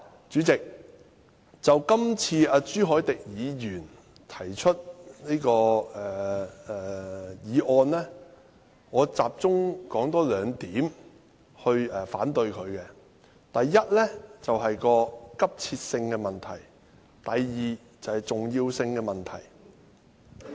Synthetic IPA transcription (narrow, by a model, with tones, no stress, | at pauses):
t͡ʃyː˨˥t͡sɪ˨k̚ | t͡sɐ˨wkɐ˥mt͡sʰiː˧aː˧t͡syː˥ɦɔː˨˥jt̪ɪ˨k̚jiː˨˧jyː˨˩n | t̪ʰɐ˨˩jt͡ʃʰɵ˥t̚niː˥kɔː˧ɛː˨˩ɛː˨jiː˨˧ʔɔː˧nlɛː˥ | ŋɔː˨˧t͡saː˨p̚t͡sʊ˥ŋkɔː˨˥ŋt̪ɔː˨˥lœː˨˧ŋt̪iː˨˥m | hɵ˧ɥɛː˨˩fa̰ː˨˥nt̪ɵ˧ɥkʰɵ˨˧ɥkɛ˧ | t̪ɐ˨jːɐ˥t̚lɛ˥t͡sɐ˨wɦɐ˨jkɔː˧kɐ˥p̚t͡sʰiː˧t̚sɪ˧ŋkɛ˧mɐ˨˩nt̪ʰɐ˨˩j | t̪ɐ˨jːiː˨ | t͡sɐ˨˩whɐ˨˩jt͡sʊ˨ŋjiː˧wsɪ˧ŋkɛ˧mɐ˨nt̪ʰɐ˨˩j